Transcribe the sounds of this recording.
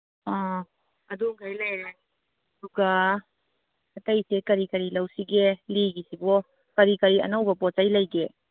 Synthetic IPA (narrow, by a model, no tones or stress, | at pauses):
ɔ | ɐduŋkʰajlajɾe | ɐduɡa | ɐtɐjsekɐɾikɐɾilɐwsiɡeliɡisibɔ | kɐɾikɐɾiɐ̰nɐwbɐpɔt͡ʃajlɐjɡe